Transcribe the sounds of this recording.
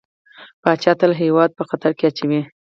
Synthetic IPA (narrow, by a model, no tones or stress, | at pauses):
pɑt͡ʃɑt̪əlɦewɑd̪̚pəxat̪aɾkeat͡ʃawi